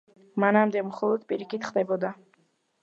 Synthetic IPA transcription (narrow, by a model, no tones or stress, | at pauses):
manamd̪ɛmχɔlˠɔd̪pʼiɾikʰit̪χd̪ɛbɔd̪a